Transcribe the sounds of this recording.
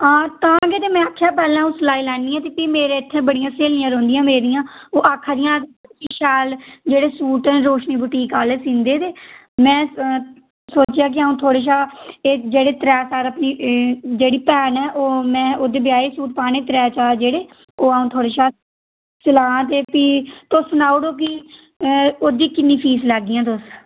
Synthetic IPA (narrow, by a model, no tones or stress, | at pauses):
ãːt̪ãːɡeːt̪eːmɛ̃ːakʰːjaːpɛːlãːũːsəlaːiːlɛːnd̪iːãːt̪eːpiːmeːɾeːɪt̪ʰːẽːbəɽɪjãːseːlɪːãːɾõːnd̪ijãːmeːɾijãːoːʔaːkʰːad̪ɪjãːeiːʃɛːld͡ʒeːɽeːsuːʈɛːɾoːʃniːbʊʈiːkaːleːsĩːnd̪eːt̪eː | mɛ̃ː | soːt͡ʃɪjaːk̬ɪaũːt̪ʰoːɽeːʃaːeːd͡ʒeːɽeːt̪ɾɛːsaːɾəpniːd͡ʒeːɽiːpɛːnɛːʔoːmɛ̃ːʔoːd̪eːbɪjaːeːsuːʈ̚paːneːt̪ɾɛːt͡ʃaːd͡ʒeːɽeː | oːaũːt̪ʰoːɽeːʃaː | səlãːt̪eːpiːt̪osːʊnaːʊɽoːk̬ɪ | oːd̪iːkɪnːĩːpʰiːslɛːɡːɪːãːt̪ʊs